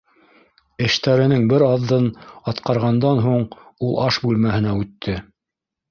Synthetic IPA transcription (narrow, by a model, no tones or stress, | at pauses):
ɘ̆ʃt̪æɾɘ̆nɘŋbɘɾɑðːɤnɑt̪qɑɾʁɑnd̪ɑnɦuɴulˠʔɑʃbʉlmæhɘ̆næʉt̪ʰːɘ